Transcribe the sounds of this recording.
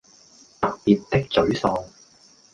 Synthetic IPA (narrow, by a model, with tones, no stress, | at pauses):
t̪ɐ˥k̚piː˨t̚t̪ɪ˥k̚t͡sɵ˨˥ɥsɔː˨˧ŋ